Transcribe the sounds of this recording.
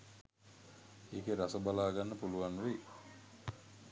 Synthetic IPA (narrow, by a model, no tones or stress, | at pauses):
eːkeɾasəbalaːɡanːəpuluʋaŋʋe